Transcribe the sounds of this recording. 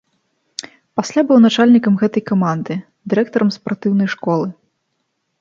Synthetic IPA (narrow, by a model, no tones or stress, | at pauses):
pasʲlʲabɨwnat͡ʂalʲnʲikɐmɣɛt̪ɐjkamand̪ɨ | d̪ɨɾɛk̚t̪ɐɾɐmspart̪ɨwnɐjʂkɔlˠɨ